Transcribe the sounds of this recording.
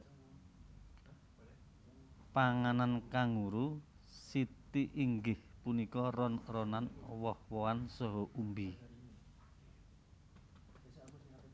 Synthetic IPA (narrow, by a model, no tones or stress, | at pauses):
paŋanankaŋuɾu | sit̪iʔiŋɡɪhpunikɔɾɔnrɔnanwɔhwɔansɔɦɔʔumbi